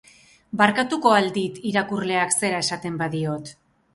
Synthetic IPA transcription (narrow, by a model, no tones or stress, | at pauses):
baɾkat̪uko̞ald̪it̪iɾakurle̞akse̞ɾae̞sat̪e̞mbaðio̞t̪